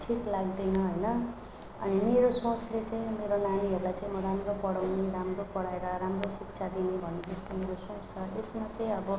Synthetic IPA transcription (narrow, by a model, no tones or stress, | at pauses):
ʈʰiklaɡ̚d̪enʌɦʌjnʌ | ʌ̰nimeɾosõslet͡saĩmeɾonaniɦʌɾulajt͡saĩmʌɾamropʌɽawniɾamropʌɽaeɾʌɾamrosikt͡sʰad̪inibʱʌnːed͡zʌst̪omeɾosõst͡sʰʌʔesmat͡saĩʌbʌ